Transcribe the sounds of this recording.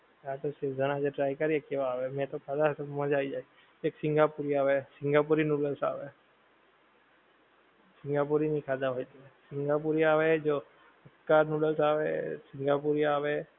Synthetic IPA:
jaːt̪osɪɾpʰzɐnad͡ʒeʈɾaːɪkəɾeːkeʋaːʋɛmɛ̃t̪okʰaːd̪asmə̃d͡ʒaːid͡ʒaːe | eːksɪ̃ŋɡaːpuːɾiaːʋɛsɪ̃ŋɡaːp̬uɾinuːɖəlsa̰ːʋɛː | sɪ̃ŋɡaːp̬uɾinĩkʰaːd̪aɦoːt̪iɛsɪ̃ŋɡap̬uːɾiaːʋɛd͡ʒoː | ɐkːaɾnuːɖəlsaːʋɛ̰sɪ̃ŋɡaːp̬uːɾiaːʋɛ

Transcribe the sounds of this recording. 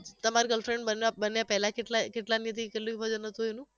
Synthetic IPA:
t̪əmaɾiɡəlfɾeɳɖbənʋabənjapɛɦlakeʈlakeʈlanjət̪ʰikeʈluipəd͡ʒənət̪uɦonũ

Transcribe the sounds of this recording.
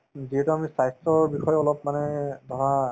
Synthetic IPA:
ziɦɛtuamisajstɔɹbixɔjɔlɔp̚manɛd̪ʱɔɹa

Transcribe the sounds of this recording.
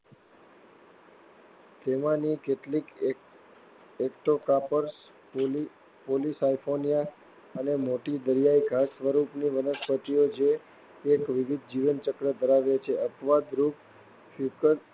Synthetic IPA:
t̪emãnikeʈlik | ekʈokapəɾs | polisajfʰonija | ənemoʈid̪əɾijaiɡʱasʋəɾupniʋənəspət̪iod͡ʒʰeː | kʋiʋid̪̚d͡ʒiʋənt͡ʃəkɽəd̪ʱəɾaʋjat͡ʃʰeʔəpʋad̪ɾup̚ | fjukəɾ

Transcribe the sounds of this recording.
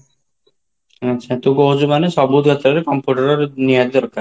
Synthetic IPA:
atːɕʰat̪uɡoɦd͡ʑubaneʃɔbud̪ʱkɔt̪ːɾaɾekɔmpjuʈaɾɔɾniad̪ɔɾkaɾ

